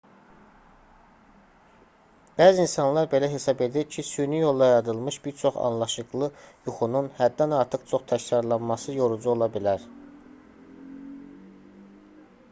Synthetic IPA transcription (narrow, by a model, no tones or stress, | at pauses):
b̥æːziinsɑnlˠɑɾbe̞læɦe̞sɑbe̞d̪iɾcʰisynyjo̞lˠd̪ɑjeɾɑd̪ɯlˠmɯʃb̥iɾt͡ʃʰo̞χɑ̰nlˠɑʃɯɣlˠɯjuxununhæd̪ːænɑɾt̪ʰɯqt͡ʃʰo̞χt̪ʰæçɾɑɾlˠɑnmɑsɯjo̞ɾud͡ʒuo̞lˠɑbilæɾ